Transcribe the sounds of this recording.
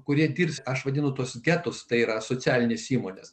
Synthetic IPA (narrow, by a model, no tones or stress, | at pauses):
kʊɾʲiɛd̪ʲiːɾʲpʲsʲɐʃʋɐd̪ʲɪnʊt̪uɔsɡʲæːt̪ʊst̪ɐɪiːɾɐsoːt͡ssʲæːlʲɪnʲeːsiːmoːnʲḛs